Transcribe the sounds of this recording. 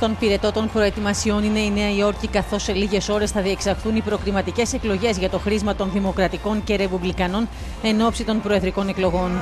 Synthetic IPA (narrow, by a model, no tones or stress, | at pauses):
st̪o̞npiɾe̞t̪o̞t̪o̞npɾo̞e̞t̪imɐsio̞nine̞ine̞ɐio̞ɾcikɐθo̞sːe̞liʝe̞so̞ɾe̞sθɐðie̞ksɐɾxθunipɾo̞kɾimɐt̪ice̞se̞klo̞ʝe̞zʝɐt̪o̞xɾizmɐt̪o̞nðimo̞kɾɐt̪iko̞ɲce̞ɾe̞publikɐno̞n | e̞no̞psit̪o̞npɾo̞eðɾiko̞ne̞klo̞ɣo̞n